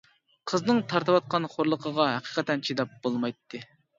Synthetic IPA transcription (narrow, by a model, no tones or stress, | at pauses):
qʰəznɨŋt̪ʰɑɾt̪ɨwɑt̪̚qʰɑnχoɾlˠəqʰəʁɑɦæqʰi̥qʰɛt̪ɛnt͡ʃʰid̪ɛp̚b̥olˠmɑjt̪ʰːɨ